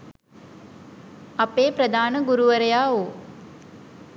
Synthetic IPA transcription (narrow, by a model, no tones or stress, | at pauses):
apeːpɾəd̪ʱaːnəɡuɾuʋəɾəjaːoː